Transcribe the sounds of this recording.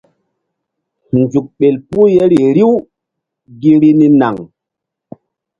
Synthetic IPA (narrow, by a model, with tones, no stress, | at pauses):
nd͡ʒu˨k̚ɓe˨lpu˦je˦ɾi˨ɾi˦w | ɡi˦ɾi˦ni˦na˨ŋ